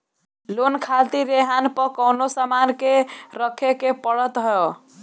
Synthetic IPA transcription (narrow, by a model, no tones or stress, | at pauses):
lonkʰalt̪iɾeɦanpəkəwnosamankeɾəkʰekepəɽət̪ɦɔo